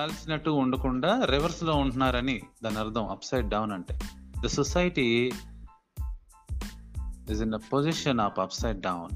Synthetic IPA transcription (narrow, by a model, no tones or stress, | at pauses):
aːlsinɐʈːuːɳɖɐkuɳɖaːɾiʋɐɾslo̞ːuɳʈunːaːɾɐnid̪ɐnɐɾd̪ʱɐ̃mɐpsɐjʈ̚ɖɐwnɐɳʈeːd̪ɐsɔsɐjʈi | izind̪ɐpoziʃɐnɐːpɐpsɐjʈ̚ɖɐwn